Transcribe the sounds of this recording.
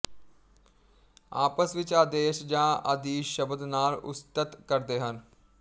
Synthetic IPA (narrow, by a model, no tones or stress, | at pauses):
a̰ːpəsʋɪt͡ʃaːd̪eːʃd͡ʒãːəd̪iːʃəbəd̪naːlʊ̰st̪ət̪kəɾd̪eːɦən